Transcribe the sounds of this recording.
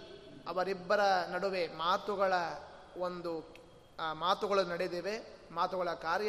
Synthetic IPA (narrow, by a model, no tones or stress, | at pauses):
ɐʋɐɾibːɐɾɐnɐɽuʋe̞maːt̪uɡɐɭɐ | ond̪u | maːt̪uɡɐɭɐnɐɽed̪eːʋe̞ | maːt̪uɡɐɭɐkaːɾj